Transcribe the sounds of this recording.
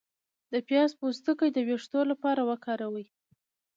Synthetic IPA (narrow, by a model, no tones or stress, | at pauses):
d̪̥əpjɑspust̪əkəjd̪əweʂt̪olapɑɾawəkɑɾawəj